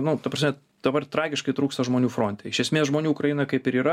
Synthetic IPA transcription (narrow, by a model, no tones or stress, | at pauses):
nʊt̪ɐpɾɐsʲmʲɛ | d̪ɐbɐrt̪ɾɑːɡʲɪʃkɐɪt̪ɾuːkst̪ɐʒmoːnʲuːfɾoːnʲt̪ʲɛɪʃʲɛsʲmʲeːsʒmoːnʲuːkɾɐjɪnɐkɐɪpɪɾiːɾɐ